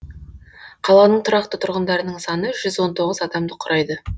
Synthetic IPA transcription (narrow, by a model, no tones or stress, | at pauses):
qʰɑlˠɑnəɴt̪ʰʊɾɑqt̪ət̪ʰʊɾʁənd̪ɑɾənəɴsɑnəʒʏzwo̞nt̪ʰoʁəzɑd̪ɑmd̪əqʰʊɾʔɑjd̪ə